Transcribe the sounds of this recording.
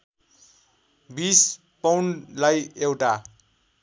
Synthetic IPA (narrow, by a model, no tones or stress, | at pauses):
bis | pawɳlajewʈa